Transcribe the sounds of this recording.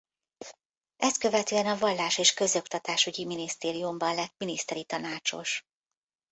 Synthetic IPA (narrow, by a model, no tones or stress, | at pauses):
ɛst̪̚kø̞vɛt̪øːɛnɒvɒlːaːʃeːʃkø̞zo̞kt̪ɒt̪aːʃyɟiminist̪eːɾijumbɒnlɛt̪̚minist̪ɛɾit̪ɒnaːt͡ʃo̞̰ʃ